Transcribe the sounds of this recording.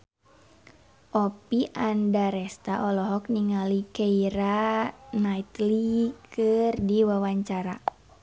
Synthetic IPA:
ʔɔpiʔandaɾɛst̪aʔɔlɔɦɔk̚niŋalikeiɾanait̪likʰɨrdiwawaɲt͡ʃaɾa

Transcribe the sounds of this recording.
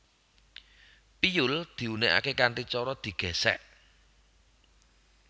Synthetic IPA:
pijʊld̪̥i̤uneʔa̰kekaɳʈit͡ʃɔɾɔd̪̥i̤ɡ̥ɛ̤sɛ̰ʔ

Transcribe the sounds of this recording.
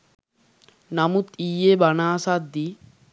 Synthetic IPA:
namut̪ijebanaːsad̪ːi

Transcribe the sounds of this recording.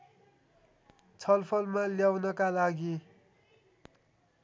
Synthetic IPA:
t͡sʰʌlpʰʌlmaljawnʌkalaɡi

